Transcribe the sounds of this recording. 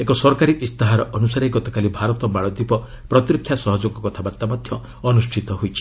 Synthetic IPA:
ekɔsɔɾkaɾiʔist̪aɦaɾɔʔɔnusaɾeɡɔt̪ɔkalibʱaɾɔt̪ɔmaɭɔd̪ipɔ | pɾɔt̪iɾɔkʰːjasɔɦɔd͡ʒoɡɔkɔt̪ʰabaɾt̪amɔd̪ʱjɔ | ɔnusʈʰit̪ɔɦojt͡ʃʰi̥

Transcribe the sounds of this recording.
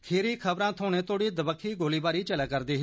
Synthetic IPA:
kʰeːɾiːkʰəbɾãːt̪ʰoːnẽːt̪oːɽiːd̪əbəkʰːiːɡoːliːbaːɾiːt͡ʃələkːəɾd̪iːɦ

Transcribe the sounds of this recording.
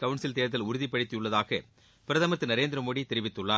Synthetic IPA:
kɐʋʊɳsɪlt̪eːɾɐt̪̬ːɪlʊɾʊðɪpːɐɽɪt̪ːɪjɯɭːɐðaːɣɐ | pɪɾɐðaːmɐt̪ːɯnɐɾeːnd̪ɪɾɐmoːɽit̪ɛɾɪʋɪt̪ːɯɭːaː

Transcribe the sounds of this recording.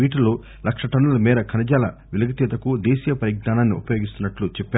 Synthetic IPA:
iːʈuloː | lɐkʂɐʈɐnulɐmiːɾɐkʰɐnɐd͡ʒaːlɐ̰ʋilɐɡɐt̪iːt̪ɐkud̪eːsiːjɐpɐɾiɡnaːnaːnːḭṵpɐjo̞ːɡist̪unːɐʈlut͡ʃɛpːaː

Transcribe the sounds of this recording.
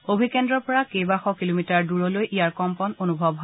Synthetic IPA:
obʱikɛndɹɔɹpɔɹakejbaxɔkilomitaɹduɹɔlojʔijaɹkɔmpɔnonubʱɔbɦɔ

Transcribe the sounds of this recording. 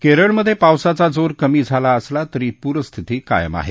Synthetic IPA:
keɾəɭməd̪ʱːjepawsat͡sad͡zoɾkəmiːd͡zʱalaəslat̪əɾiːpuɾəst̪ʰit̪iːka̰jə̰ma̰ɦḛ

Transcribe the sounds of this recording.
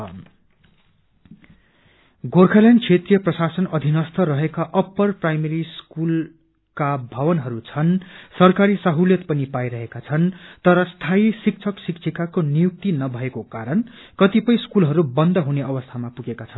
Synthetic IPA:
ɡorkʰaljankʰet̪rijʌprʌsasʌnʌd̪ʱinʌst̪ʰʌrʌɦekaʔʌpːʌrprajmeɾiskul | kabʱʌβʌnɦʌɾut͡sʰʌnsʌrkaɾisʌɦuljʌt̪pʌnipajɾʌɦekat͡sʰʌnt̪ʌɾʌst̪ʰaisik̚t͡sʰʌksikt͡sʰikakonijuk̚t̪inʌbʱʌekokaɾʌn | kʌt̪ipʌj̃skulɦʌɾubʌnd̪ʌɦuneʌβʌst̪ʰamapuɡekat͡sʰʌn

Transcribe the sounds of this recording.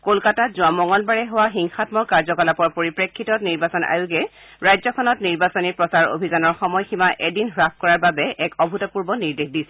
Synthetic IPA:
kolkatazʊamɔŋɔlbaɹɛɦowaxiŋxatmɔkaɹzɔkɔlapɔɹpoɹipɹekʰːitɔniɹbasɔna̰juɡɛ | ɹajzɔkʰɔnɔtniɹbasɔnipɹɔsaɹo̰bʱizanɔɹxɔmɔjximaʔedinɦɹap̚kɔɹaɹbabɛɛkɔbʱutɔpuɹbɔniɹdexdisɛ

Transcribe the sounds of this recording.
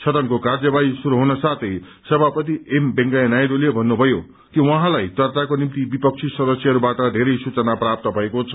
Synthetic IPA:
t͡sʰʌt̪ʌnkokard͡zʌbaisuɾuɦunʌsat̪ʰʌj | sʌbapʌt̪iembeŋɡaenajɾolebʱʌnːubʱʌjo | kiwʌɦãlajt̪ʌrt͡sakonimt̪ibipʌk̚t͡sʰisʌd̪ʌsjʌɦʌɾubaʈʌd̪ʱeɾʌjsut͡sʌnaprap̚t̪ʌbʱʌekot͡sʰʌ̥

